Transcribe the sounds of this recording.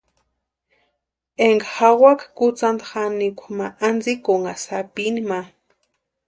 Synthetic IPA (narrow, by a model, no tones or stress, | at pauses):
eŋɡaxawakakut͡sand̪axanikʷmaʔand͡zikoŋasapinima